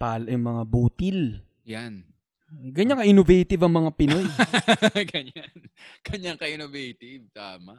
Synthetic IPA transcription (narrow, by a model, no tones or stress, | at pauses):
paːlɐjʊŋmɐŋabuːt̪il | jan | ɡɐɲaŋkɐʔɪnovɛjt̪ɪvɐŋmɐŋapɪnoj | ɡɐɲanɡ̥ɐɲaŋkɐʔɪnovɛjt̪ɪvt̪a̰ːmaʔ